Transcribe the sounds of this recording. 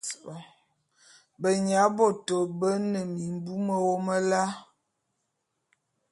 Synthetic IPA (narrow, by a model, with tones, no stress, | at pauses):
bə˨ɲa˨˦bɔ˦˨to˨bə˦nə˨mi˨m˦bu˦mə˨wo˦mə˦la˦